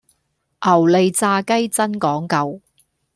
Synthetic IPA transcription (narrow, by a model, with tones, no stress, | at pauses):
ʔɐ˨˩wle˨jt͡saː˧kɐ˥jt͡sɐ˥nkɔː˨˥ŋkɐ˧w